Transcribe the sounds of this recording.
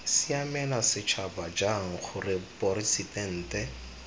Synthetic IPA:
sɪamɛnasɪt͡ʃʰabad͡ʒaŋ̩χʊrɪpɔɾisidɛn̩ːtɛ

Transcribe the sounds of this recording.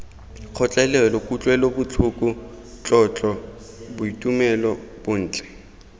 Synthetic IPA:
q͡χʰɔt͡ɬʼɛlɛlɔkʼut͡ɬʼwɛlobʊt͡ɬʰʊkʼʊ | t͡ɬʼɔt͡ɬʼɔ | bʊitʼumɛlɔb̥ʊn̩ːt͡ɬʼɛ̥

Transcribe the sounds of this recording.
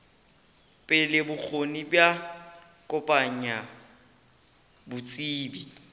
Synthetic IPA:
pʼɪlɪbʊk͡xʰonibja | kʼʊpʼaɲa | bʊt͡sʼiːbi

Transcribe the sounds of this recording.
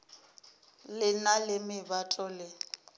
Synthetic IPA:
lɪnalɪmɪbatʼɔlɪ

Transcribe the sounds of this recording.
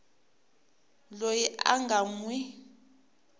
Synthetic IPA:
lojia̰ŋɡʱamwi

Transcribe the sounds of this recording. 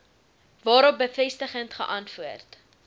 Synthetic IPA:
vɑːɾɔp̚bəfɛstəχəntχəʔɐnfuərt

